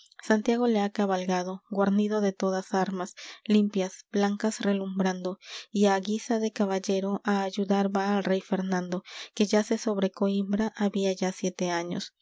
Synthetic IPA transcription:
sant̪jaɣo̞le̞akaβalɣað̞o̞ɡwaɾniðoðe̞t̪o̞ðasaɾmaslimpjasb̥laŋkasre̞lumbɾand̪o̞iaɣisaðe̞kaβaʝe̞ɾo̞ʔaːʝuðaɾβaːlre̞jfe̞ɾnãnd̪o̞ke̞ʝase̞so̞βɾe̞koimbɾaʔaβiaʝasje̞t̪e̞aɲo̞̰s

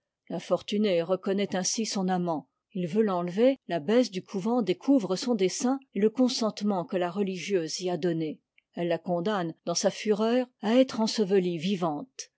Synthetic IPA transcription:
lɛ̃fɔʁt̪yneʁəkɔnɛt̪ɛ̃sisɔ̃namɑ̃ | ilvølɑ̃lvelabɛs̬d̪ykʰuvɑ̃d̪ekʰuvʁəsɔ̃d̪esɛ̃eləkɔ̃sɑ̃t̪mɑ̃kəlaʁəliʒjøːzliad̪ɔne | ɛlːakɔ̃d̪and̪ɑ̃safyʁœːʁaɛt̪χɑ̃səvəlivivɑ̃t̪

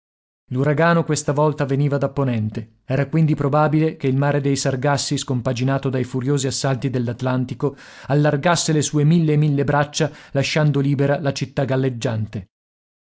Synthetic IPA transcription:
luɾaɡaːnokwest̪avɔlt̪aveniːvad̪apːonɛnt̪e | ɛːɾakwind̪ipɾobaːbilekeilmaːɾed̪ejsarɡasːiskompad͡ʒinaːt̪od̪ajfuɾjoːziasːalt̪id̪elːat̪lant̪ikoalːarɡasːelesuːemilːeːmilːebɾat͡ʃːalaʃːand̪oliːbeɾalat͡ʃit̪ːaɡalːed͡ʒːant̪e

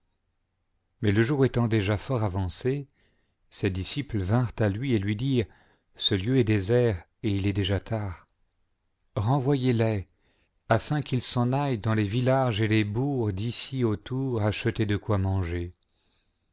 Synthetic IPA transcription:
mɛləʒuʁet̪ɑ̃d̪eʒafɔʁavɑ̃se | sed̪isipləvɛ̃ʁt̪alɥielɥid̪iːʁ | səljøɛd̪ezɛʁ | eilɛd̪eʒat̪ʰaːʁ | ʁɑ̃vwajelɛ | afɛ̃kilsɑ̃najd̪ɑ̃levilaʒelebuʁd̪isiot̪uʁaʃət̪ed̪əkwamɑ̃ʒe

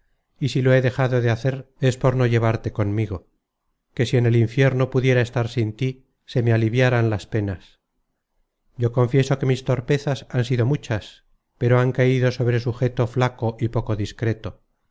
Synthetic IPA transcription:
isilo̞e̞ðe̞xaðo̞ðeaθe̞ɾe̞spo̞ɾno̞ʝe̞β̞aɾt̪e̞ko̞nmiɣ̞o̞ | ke̞sie̞ne̞liɱfje̞ɾno̞puðje̞ɾae̞st̪aɾsint̪i | se̞mealiβjaɾanlaspe̞nas | ɟ͡ʝo̞ko̞ɱfje̞so̞ke̞mist̪o̞ɾpe̞θasansiðo̞mut͡ʃas | pe̞ɾo̞aŋkaiðo̞so̞β̞ɾe̞suxe̞t̪o̞flako̞ʔipo̞ko̞ðiskɾe̞t̪o

